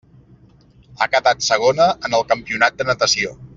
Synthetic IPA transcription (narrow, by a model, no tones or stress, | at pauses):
a̰kətat̪səɣ̞onəːnəlˠkəmpiunat̪̚d̪ənət̪əsio